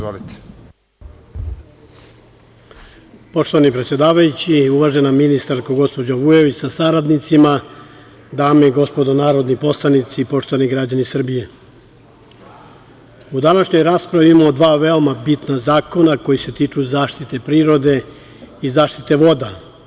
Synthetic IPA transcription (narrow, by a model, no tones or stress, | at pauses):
zolit̪e̥ | po̞ʃt̪o̞ʋanipɾe̞t̪sʲjed̪aːʋajut͡ɕiuʋaʒe̞naminist̪aɾkoɡo̞spo̞d͡ʑaʋuje̞ʋit͡ɕsasaɾad̪nit̪sima | d̪aːmeɡo̞spo̞d̪onaːɾo̞d̪nipo̞slˠanit̪sipo̞ʃt̪o̞ʋaniɡɾad͡ʑanisr̩bije̞ | ud̪anaʃɲo̞jɾaːspɾaʋiimaod̪ʋaːʋe̞omabit̪nazaːko̞nako̞jise̞t̪iːt͡ʃuzaːʃt̪it̪e̞pɾiːɾo̞d̪e̞ | izaːʃt̪it̪e̞ʋo̞d̪a